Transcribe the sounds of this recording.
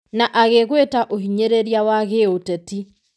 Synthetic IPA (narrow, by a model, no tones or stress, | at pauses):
naʔaɣeɣwetaʔoɦiɲeɾeɾjawaɣeotɛti